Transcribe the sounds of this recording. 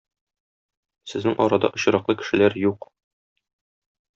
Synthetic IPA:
sɘ̆znɘŋʔɒɾɑd̪ɑ̰ʔŏɕɤ̆ɾɑqlˠɤkɘ̥̆ʃɘ̆læɾjuq

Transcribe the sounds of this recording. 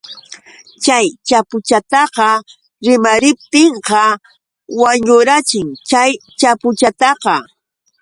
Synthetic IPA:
t͡ʃajt͡ʃapʊt͡ʃat̪ɑqɑ | ɾɪmaɾɪp̚t̪ɪɴqɑ | waɲʊɾat͡ʃɪŋt͡ʃajt͡ʃapʊt͡ʃat̪ɑqɑ

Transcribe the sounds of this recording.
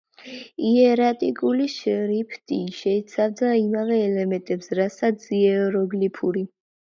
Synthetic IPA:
iɛɾat̪ʼikʼuliʃɾipʰt̪ʼiʃɛit̪sʰavd̪aimavɛːlɛmɛ̃nt̪ʼɛpsɾasat̪sʰiɛɔɾɔɡlipʰuɾi

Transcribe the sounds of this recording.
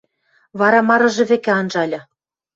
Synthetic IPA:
βɑɾɑmɑɾɤ̆ʒɤ̆βekeɑnʒɑlʲɤ̆

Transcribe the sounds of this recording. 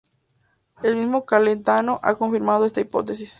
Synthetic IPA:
elmizmo̞kalent̪ano̞ʔa̰koɱfiɾmað̞oest̪aipo̞̰t̪esis

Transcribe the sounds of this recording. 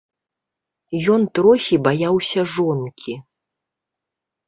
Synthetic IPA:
jɔnt̪ɾɔxʲibajawsʲɐʐɔnkʲi

